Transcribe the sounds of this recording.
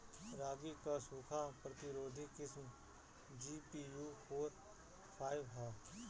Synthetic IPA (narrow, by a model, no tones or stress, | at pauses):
ɾaːɡikaːsuːkʰaːpɾət̪ɪɾoːd̪ʱikɪsm | d͡ʒiːpiːjuːpʰoːɾ | pʰaːɪʋɦaː